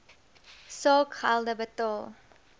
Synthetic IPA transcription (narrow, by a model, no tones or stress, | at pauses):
sɔkha̰lˠdəbətɔlˠ